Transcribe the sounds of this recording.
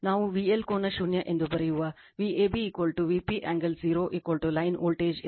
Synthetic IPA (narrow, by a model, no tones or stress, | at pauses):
naːʋũʋiːelkoːnɐʃunjɐʔɪ̃nd̪ʱopɐɾeɦuʋaː | ʋiːeːbʱiːkʋəlʈuʋiːpiʔɛ̃ːŋɡəlziːɾoːʔiːkwəlʈulaːɪno̰ːlʈeːd͡ʒ